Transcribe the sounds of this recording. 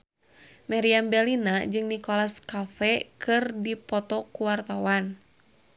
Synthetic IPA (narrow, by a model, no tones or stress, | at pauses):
maɾiambɛlinad͡ʒɨŋnikɔlaskafɛkʰɨrdipɔt̪ɔkuwart̪awan